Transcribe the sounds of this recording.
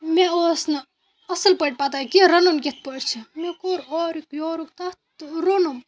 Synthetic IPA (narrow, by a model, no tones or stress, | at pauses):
meoːsnɐ | ɐsəlpəʈ̚ʲpat̪aːkiɾɐnonket̪̚pəʈt͡ʃʰimekoɾoːɾikjoːɾuk̚t̪at̪ɾonum